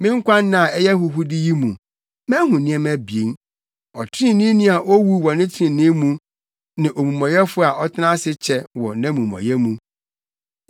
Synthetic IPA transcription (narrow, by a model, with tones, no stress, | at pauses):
mɪ̃˦ŋ̩˦kʷʰa˦n˦nã˨ɛ˦jɛ˦hʊ˦ɦʊ˦dɪ˦ji˦mũ˨ | mɛ̃˦ɦʊ̃˨nɪ̃˦ɛ˦mæ˦bi˨e˨n | ɔ˨tʰɪ˦ɪ̃˦˨nĩ˦nĩ˦a˨ʔo˦wu˦wɔ˨nɪ̃˦tʰɪ˦ɪ̃˨nɪ̃˦mũ˦ | nã˨ʔo˨mũ˨mɔ̃˨jɛ˦fʊ˦a˨ʔɔ˦tʰɪ˦nã˦sɪ˦t͡ɕʰɛ˦wɔ˨nã˦mũ˨mɔ̰̃˨jɛ˦mũ˦